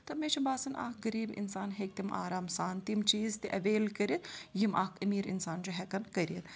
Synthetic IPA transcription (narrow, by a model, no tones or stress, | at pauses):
t̪ɐmeːt͡ʃʰɐbaːsɐnʔa̰ːkɡɐɾiːbḭnsaːnɦeːk̚t̪imʔa̰ːɾaːmsaːnt̪imt͡ʃiːzt̪eʔɐʋeːlkɐɾit̪jimʔaːkʰɐmiːɾḭnsaːnd͡ʒoɦɛkɐmkɐɾit̪